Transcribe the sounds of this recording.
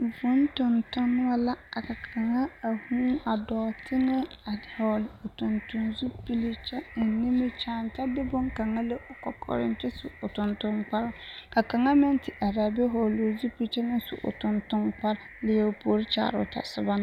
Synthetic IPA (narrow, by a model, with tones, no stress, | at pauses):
vʊ˦n˦tʊ˨ntʊ˦n˦wa˦la˦a˨ka˨kʰa˨ŋa˦a˨huː˦a˨dɔː˨tʰɪ˦ŋɛ˦ | a˨hɔ˨lʊ˨tʊ˨ntʊ˨nzu˦pi˦li˦t͡ʃɛ˦˨nɪ˦mɪ˦t͡ʃa˦˨n˦ta˦bɪ˦bʊ˦ŋka˨ŋa˦le˦ʔʊ˨kɔ̰˨kʰɔ̰˨ɾɪ̰˦n˦tɪ˦sʊ̰˨ʊ˨tʊ˨ntʊ˦nk͡pa˦ɾɪ˦ka˨ka˨ŋa˦mɪ˦ntɪ˨ʔa˨ɾa˨bɪ˦ɦɔ˨lo˨zu˦pi˦lt͡ʃɛ˦nɪ˦sʊ̰˨ʔʊ̰˨tʊ˨ntʊ˦ŋk͡pa˦ɾ | lɪ˦˨jɛ˨ʊ˨poː˨ɾɪ˦t͡ʃa̰ː˨ɾʊ̰˨ta̰˨sɪ̰˦ba˦n˦